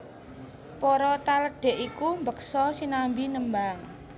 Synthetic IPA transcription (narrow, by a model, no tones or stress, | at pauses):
pɔɾɔt̪aləɖ̥ɛ̤ʔikumbəksɔsinambinəmbaŋ